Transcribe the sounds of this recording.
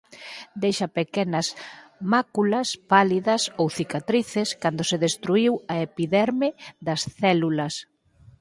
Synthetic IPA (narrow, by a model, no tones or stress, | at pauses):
d̪ejʃɐpekɛnɐsmakulɐspaliðɐsowθikat̪ɾiθɪskand̪oseðest̪ɾuiwɐepiðɛɾmɪðɐsθɛlulɐs